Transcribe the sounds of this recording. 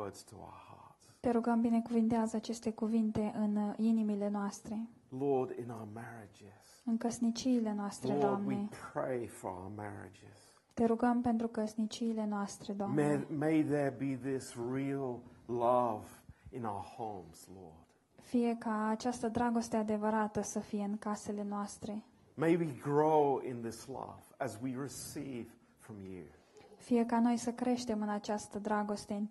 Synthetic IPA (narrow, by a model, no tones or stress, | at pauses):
wɜ˞dz̥tʰəa̰ʊəhɑ̰ɹtst̪e̞ɾuɡəmbine̞kuvint̪eazəat͡ʃe̞st̪e̞kuvint̪e̞ʔɨninimile̞noast̪ɾe̞ | lɔɹɾɪ̰̃naʊə˞mɛɹɪd͡ʒɪz̥ɨnkəsnit͡ʃiːle̞noast̪ɾedd̪amnie̞pʰɹ̥eɪfə˞a̰ʊəmɛ̰ɹɪ̰d͡ʒɪ̰z̥ | t̪e̞ɾuɡəmpe̞nt̪ɾukəsnit͡ʃiːle̞noast̪ɾe̞d̪oamemeɪðə˞biðɪsɹilˠlʌvɨ̃naʊə˞hõʊ̃mz̥lɔ̰ɹd̥ | fije̞kaːt͡ʃast̪əd̪ɾaɡo̞st̪ead̪e̞vəɾat̪əsəfije̞ɨŋkase̞le̞noast̪ɾe̞ | meɪwiɡɹoʊɪ̃nðɪslʌ̰v̥ɨzwiɹɨsiv̥ | fɹʌ̃mjʉ̰ | fije̞kano̞jsəkɾe̞ʃt̪e̞mɨnat͡ʃast̪əd̪ɾaɡo̞st̪e̞